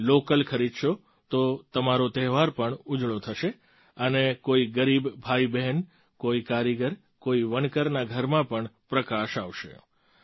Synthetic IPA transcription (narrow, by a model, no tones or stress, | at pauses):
lokəlkʰəɾid̪ʃo | t̪ot̪əmaɾot̪ɛɦʋaɾpəɳʊd͡ʒɭot̪ʰəʃe | ənekoiɡəɾibbʱaibɛɦɛn | koikaɾiɡəɾ | koiʋəɳkəɾnaɡʱəɾmãpəɳpɾəkaʃaʋʃḛ